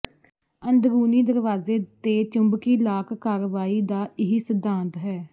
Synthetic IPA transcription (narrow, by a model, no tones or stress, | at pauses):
ənd̪ɡuːniːd̪əɾʋaːzeːt̪eːt͡ʃəmbkiːlaːkkaːɾʋaːiːd̪aːɪɦisəd̪ãːnt̪ɦɛː